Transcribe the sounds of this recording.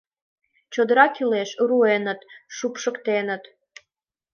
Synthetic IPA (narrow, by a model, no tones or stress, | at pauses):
t͡ɕod̪əɾɑkileʃruenə̆t̪ʃupʃəkt̪enə̆t̪